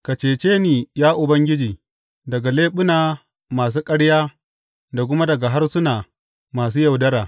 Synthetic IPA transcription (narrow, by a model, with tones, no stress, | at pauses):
ka˨t͡ʃeː˨t͡ʃeː˦niː˨jaː˦ʔʊ˨bɐ˦ŋɡʲɪ˦d͡ʒiː˨ | dɐ˨ɡa˨leː˦ɓʊ˦naː˨ | maː˨s̬uː˦kʼɐ˦ɽjaː˦ | da˨k̬ʷʊ˦ma˦dɐ˨ɡa˨ɦa˦rsʊ˦naː˨ | maː˨s̬uː˦jɐ˨wdɐ˦ɾaː˨